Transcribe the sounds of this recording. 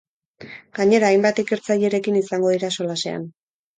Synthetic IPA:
ɡ̥aɲe̞ɾaːjmbat̪ike̞ɾt͡saʎe̞ɾe̞kinisaŋɡo̞ðiɾaso̞lase̞a̰n

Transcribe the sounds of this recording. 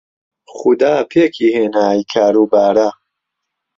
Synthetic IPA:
xud̪aːpʰeːkʰiːheːnaːjkʰaːɾuːbaːɾa

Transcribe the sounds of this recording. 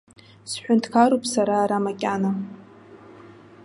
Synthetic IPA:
sħʷᶣʊntʰkʰaɾopʼsaɾaːɾamakʲʼana

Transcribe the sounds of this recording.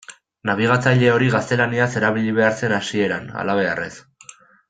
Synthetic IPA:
naβ̞iɣat͡saʎe̞o̞ɾiɣast̪e̞laniase̞ɾaβ̞iʎiβe̞aɾse̞nasie̞ɾana̰laβ̞e̞a̰re̞s

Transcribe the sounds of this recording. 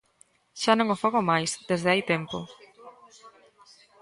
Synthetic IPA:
ʃanõŋofoɣomajsd̪ezðeajt̪empo

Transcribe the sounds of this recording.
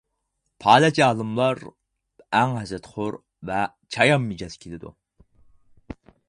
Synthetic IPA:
pʰɑːlɛt͡ʃɑːlˠɨmlˠɑɾ | æŋɦɛzɾɛt̪χʊɾ | vɛ | t͡ʃʰɑjɑmːid͡ʒɑzkʲʰelɪd̪ṵ

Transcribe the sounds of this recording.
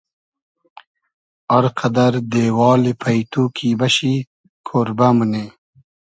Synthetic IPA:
ɐɾqɐd̪ɐɾd̪eːwɑːlepʰɐjt̪ukʰiːbɐɕi | kʰoɾbamune

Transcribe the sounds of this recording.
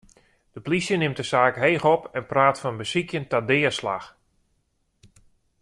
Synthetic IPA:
d̥əplisjənɪmtdəsaːkɦeːxɔpɛnpraːtfɔnbəsikjəntadɪːəsla̰x

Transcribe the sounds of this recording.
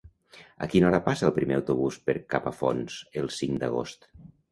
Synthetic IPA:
ə̰kinɔɾəpasəːlˠpɾimeəwt̪uβuspəɾkapəfonsəlˠsiŋd̪əɣ̞o̰st̪

